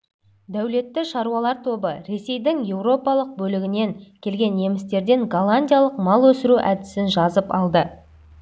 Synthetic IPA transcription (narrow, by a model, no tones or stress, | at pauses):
d̪æwle̞t̪ːɪʃɑɾuwɑlˠɑɾt̪ʰo̞bəɾe̞se̞jd̪ɪŋje̞wɾo̞pɑlˠəq̚bɵlɪɡʲɪne̞ŋkʲʰe̞lɡʲe̞nje̞mɪst̪e̞ɾd̪e̞ŋɡalˠanʲdʲijalˠəqmɑlˠwɵsɪɾuʔæd̪ɪsɪnʒɑzəpɑ̰lˠd̪ə